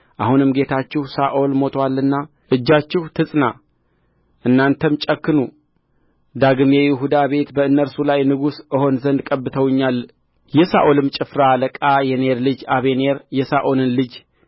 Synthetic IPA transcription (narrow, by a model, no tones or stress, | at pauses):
ʔahunɨmɡe̞t̪ʰat͡ʃːɪhsaʔolmo̞t̪ʰwalːɨnːa | ʔɨd͡ʒːat͡ʃːɪhut̪ʰɨsʼna | ʔɨnːant̪ʰəmt͡ʃʼəkːɨnu | d̪aɡɨmjɛjɪɦud̪aβe̞t̪bəɨnːəɾsulajnɨɡusɨho̞nzənd̪kʼəbːɨt̪ʰəwɨɲːal | jɛsa̰ʔolɨmt͡ʃʼɪfɾaləkʼajɛne̞ɾlɨd͡ʒaβe̞neɾjɛsaʔo̞nɨnlɨd͡ʒ